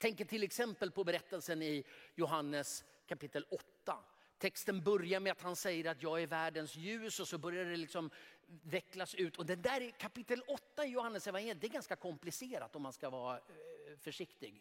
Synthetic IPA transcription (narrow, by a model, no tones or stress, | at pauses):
t̪ʰɛŋkəʈʰɪlːɛksɛmpəlpɔbɛɾɛt̪ːəlsənɪjʊɦanːəs | kʰapɪt̪ːəlɔt̪ːa̰ | t̪ʰɛkst̪ənbœɾjaɾmɛat̪hansɛjːəɾat̪jɑːɡæɾvæːɖənsjʉ̟ːsɔsɔbœɾjad̪ɛlɪksɔmvɛklasʉ̟ːt̪ɔd̪ɛnd̪æːɾkʰapɪt̪ːəlɔt̪ːaɪjʊhanːəsɛvanjeːlɪd̪ɛɾɡanskakʰɔmplɪseːɾa̰t̪ɔmːanskavɑːɾafœʂɪkt̪ɪɡ